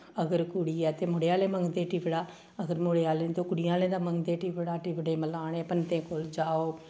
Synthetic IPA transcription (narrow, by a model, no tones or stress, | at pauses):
əɡəɾkʊɽiːɛːt̪eːmʊɽeaːlẽːməŋɡd̪eːʈiːʋəɽaː | əɡəɾmoɽeːaːlẽːnt̪oːkʊɽɪjãːlẽːd̪aːməŋɡd̪eːʈiʋəɽaːʈibɽẽːməlaːɽ̃eːpənt̪ẽːkoːld͡ʒaːoː